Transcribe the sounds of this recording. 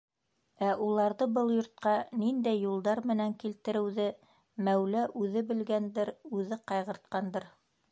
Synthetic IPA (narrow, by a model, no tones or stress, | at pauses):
æʔulˠɑɾðɤbɤlˠjŏɾt̪̚qɑnind̪æjːulˠd̪ɑɾmɘ̆næŋkilt̪ɘ̆ɾɘ̆wðɘ | mæwlæʔʉðɘbɘ̆lɡænd̪ɘɾʉðɘqɑjʁɤ̆ɾt̪̚qɑnd̪ɤɾ